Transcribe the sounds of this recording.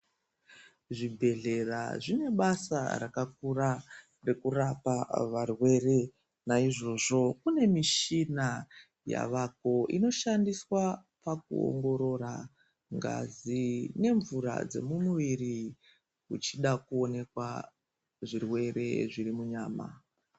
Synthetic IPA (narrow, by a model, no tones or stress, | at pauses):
ʐibʱe̞ɮe̞ra̰ʐine̞ɓasa̰ɾakak̚uɾa | re̞kurapaʋarwe̞re̞ | naiʐo̞ʐo̞kune̞miʃina | ja̰ʋako̞ʔḭno̞ʃandiswa | pak̚ṵo̰ŋɡo̞ɾo̞ɾa | ŋɡa̰zine̞ɱvuɾa̰d͡ze̞̰mumuʋiɾi | ut͡ʃiɗakuo̞ne̞kwa | ʐirwe̞ɾe̞̰ʐirimuɲaːma̰